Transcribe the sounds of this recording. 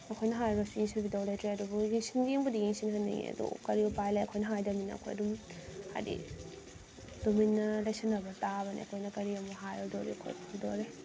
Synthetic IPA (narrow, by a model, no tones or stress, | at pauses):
ɐkʰojnɐɦajbɐsijiŋsibidawlajtɾeɐdubujiŋsinɡijeŋbudijiŋsinɦɐnːḭj̰ɐ̰dṵkɐɾiupajlajɐ̰kʰojnɐɦajdɐminːɐ̰ɐ̰kʰo̰jɐ̰dumha̰jdḭ | duminːɐlajsɐnːɐbɐtaβɐnḭɐ̰kʰojnɐkɐɾiɐmuɦajɐdoɾḛɐkʰo̰jpʰbidoɾe